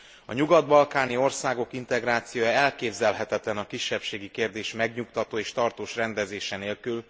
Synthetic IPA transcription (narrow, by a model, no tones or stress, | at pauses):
ɒɲuɡɒd̪bɒlkaːnio̞rsaːɡo̞kint̪ɛɡraːt̪sijoːjɛlkeːbzɛlɦɛt̪ɛt̪lɛnɒkiʃːɛpʃeːɡikeːrd̪eːʃmɛɡɲukt̪ɒt̪oːeːʃt̪ɒrt̪oːʃrɛnd̪ɛzeːʃɛneːlkyl